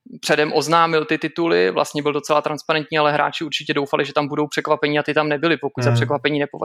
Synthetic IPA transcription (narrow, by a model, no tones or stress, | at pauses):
pr̥ɛdɛmʔo̞znaːmɪlt̪ɪt̪ɪt̪ulɪvla̰st̪ɲɛbɪldo̞t͡sɛlat̪ɾanspaɾɛnt̪ɲiːalɛɦɾa̰ːt͡ʃɪuɾt͡ʃɪcɛdo̞wfalɪʒɛt̪ambudo̞wpr̥ɛkvapɛɲiːat̪ɪt̪amnɛbɪlɪpo̞kuɟzapr̥ɛkvapɛɲiːnɛpova̰